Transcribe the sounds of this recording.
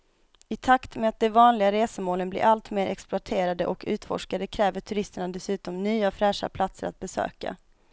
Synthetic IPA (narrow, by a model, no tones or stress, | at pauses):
ɪt̪ʰakt̪mɛat̪̚d̪ɛvɑːnlɪɡaɾeːsəmoːlənblɪ̰ɾʔalt̪meːɾʔɛksplʊaʈʰeːɾad̪ə̰ʔɔkʰʉ̟ːt̪fɔ̰ʂkad̪əkʰɾɛːvəʈʰɵɾɪst̪əɳad̪ɛsʉ̟ːt̪ɔmnyːafɾæːʂa̰pʰlat̪səɾa̰t̪̚bɛsø̰ːka̰